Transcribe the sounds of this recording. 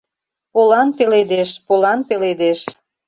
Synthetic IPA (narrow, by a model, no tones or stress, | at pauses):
polɑnpeled̪eʃpolɑnpeled̪eʃ